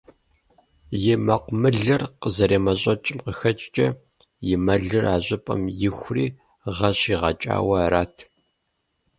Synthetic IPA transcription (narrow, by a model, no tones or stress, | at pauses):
jɪmɐqʷʊmɨɮɨrqəzɐɾeːmɐɕʼɐt͡ʃʼɪmqəxɐt͡ʃʼt͡ʃʼɐ | jɪmɐɮɨrʔaːɕʷʼɪpʼɐ̰mjɪxʷrḭː | ʁɐɕiːʁɐt͡ʃʼa̰ːwɐɾaːtʰ